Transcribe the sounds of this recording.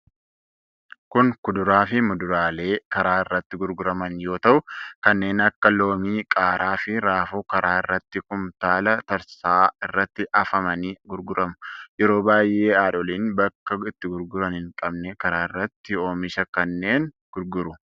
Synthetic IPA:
kʊŋkʊd̪ʊɾaːfɪmʊd̪ʊɾaːle̞ːkɐɾaːɪrːɐt̪ːɪɡʊɾɡʊɾɐmɐnjo̞ːt̪ɐʔʊkɐnːe̞ːnɐkːɐlo̞ːmiːkʼaːɾaːfɪɾaːfuːkɐɾaːɪrːɐt̪ːɪkʊmt̪aːlɐt̪ɐɾsaːɪrːɐt̪ːɪʔɐfɐmɐniːɡʊɾɡʊɾɐmʊjɛɾo̞ːbaːjʔe̞ːaːᶑɔliːnbɐkːɐɪt̪ːɪɡʊɾɡʊɾɐnɪŋkʼɐbnɛkɐɾaːɪrːɐt̪ːɪo̞ːmɪʃɐkɐnːe̞ːŋ | ɡ̥ʊɾɡʊɾʊ

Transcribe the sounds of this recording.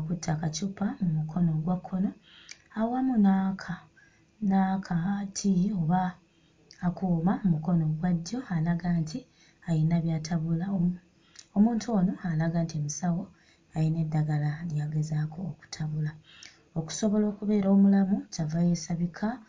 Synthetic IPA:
okutʰːakacupamumukʰo̞no̞ɡwakʰːo̞no̞awamunaːkʰa | nakʰatʰio̞βaː | kuːmamumuko̞no̞ɡwadːo̞alaɡaːntʰi | ajinaβjaːtʰaβula | omuːntʰuo̞ːno̞alaɡaːntiemisawo̞ | ajine̞dːaɡalaljaɡe̞zaːkʰo̞ːku̥tʰaβula | oku̥so̞βo̞lo̞ːkuβe̞ːɾo̞ːmulamucavaje̞ːsaβikʰa

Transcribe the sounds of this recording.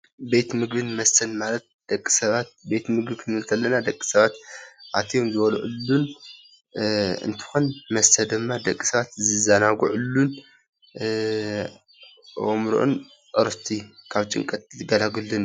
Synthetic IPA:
be̞t̪mɨɡbɨnmɐsɐnmalɐt̪̚d̪̥ɐkʼːi̥sɐβat̪̚be̞t̪mɨɡbɨkʰɨnɨlt̪ʰɐlːɐnad̪ɐkʼːi̥sɐβat̪ʔa̰t̪ʰijomzɨβɐlʕulːun | ɨ̰nt̪ʰɨ̥xonmɐsɐd̪ɨmːad̪ɐkʼːi̥sɐβat̪zɨzanaɡuʕulːun | ʔo̰mɾo̰ʔṵn | ʔɨɾɨst̪ʰikʰaβt͡ʃʼɨ̰ŋkʼɐt̪̚ɡɐlaɡɨlːɨn

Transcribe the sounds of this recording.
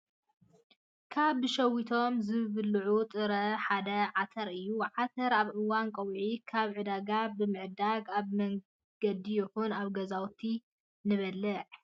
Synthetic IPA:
kʰaβʃɐwit̪ʰo̞mzɨβɨlʕut̪ʼɨɾɐħad̪ɐʕat̪ʰɐɾɨjːuʕat̪ʰɐɾaβʕɨwankʼɐwʕikʰaβʕɨd̪aɡabɨmɨʕd̪aɡaβmɐŋ | ɡ̥ɐd̪ijɛxunaβɡɐzawt̪ʰi | nɨβɐlːɨʕ

